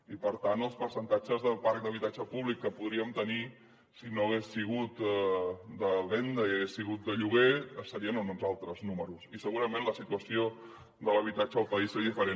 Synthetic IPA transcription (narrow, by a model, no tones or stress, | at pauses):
ipəɾt̪anəlˠspəɾsənt̪ad͡ʒəzðəlˠpaɾk̚d̪əβit̪ad͡ʒəpuβlikːəpuðɾiəmt̪əni | sinoəɣ̞esːiɣ̞ut̪ | d̪əβend̪əiəɣesːiɣut̪̚d̪əʎuɣ̞eəst̪əɾiənununzalˠt̪ɾəznuməɾusisəɣuɾəmẽnləsit̪uəsio | d̪ələβ̞it̪at͡ʃəəlˠpəisezðifəɾe